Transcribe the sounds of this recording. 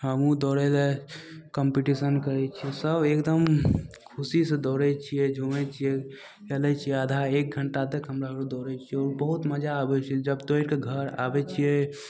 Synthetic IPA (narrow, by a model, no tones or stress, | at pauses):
ɦəmũd̪ɔɾɛlekəmpiʈisənkəɾɛt͡ʃʰijɛsəbʱekd̪əm | kʰusised̪ɔɾɛt͡ʃʰijɛd͡ʒʱumɛt͡ʃʰijɛ | kɛlɛt͡ʃʰijɛəd̪ʱaek̚ɡʱəɳʈad̪ekʰɦəmɾaɦəud̪ɔɾɛt͡ʃʰiɛɔːɾbəɦut̪məd͡ʒaːbɛt͡ʃʰiɛd͡ʒəbt̪oiɾkeɡʱəɾa̰bɛt͡ʃʰijɛ